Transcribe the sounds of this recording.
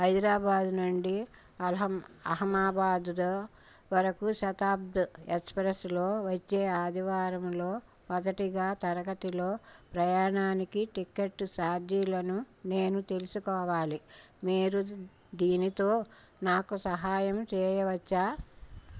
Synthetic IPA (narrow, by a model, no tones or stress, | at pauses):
hɐjd̪ɾaːbaːd̪nuɳɖi | ɐɦɐmɐɦɐmaːbaːd̪ud̪ɐ | ʋɐɾɐkuʃɐt̪aːbd̪ɐespɾeslo̞ːʋɐt͡ʃːeːaːd̪ʱiʋaːɾɐmlo̞ː | mɐd̪ɐʈiɡaːt̪ɐɾɐɡɐt̪ilo̞ːpɾɐjaːɳaːnikiʈikeʈːsaːd̪ʱjilɐnu | ne̞ːnut̪e̞lusukɔːʋaːli | meːɾu | d̪iːnit̪o̞ː | naːkusɐɦaːjɐmt͡ʃɛːjɐʋɐt͡ʃːaː